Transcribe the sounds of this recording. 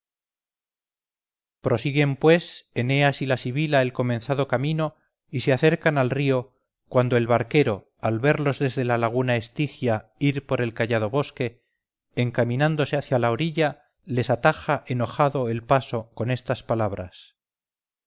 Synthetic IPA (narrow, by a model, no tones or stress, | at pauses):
pɾo̞siɣe̞mpwe̞se̞ne̞asilasiβilae̞lko̞mẽ̞nθaðo̞kamino̞ | iseaθe̞ɾkanalrio̞ | kwand̪o̞e̞lβaɾke̞ɾo̞ | alβe̞ɾlo̞zðe̞zðe̞lalaɣ̞unae̞st̪ixjaiɾpo̞ɾe̞lkaʎaðo̞βo̞ske̞ | eːŋkamĩnand̪o̞se̞aθjalaoɾiʎa | le̞sat̪axaʔe̞no̞xaðo̞e̞lpaso̞ko̞ne̞st̪aspalaβ̞ɾa̰s